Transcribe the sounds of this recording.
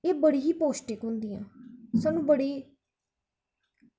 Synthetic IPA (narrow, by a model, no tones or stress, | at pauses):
eːbəɽiːɦiːpoːsʈɪkɦʊ̃nd̪iːã̰ːsaːnũːbəɽeː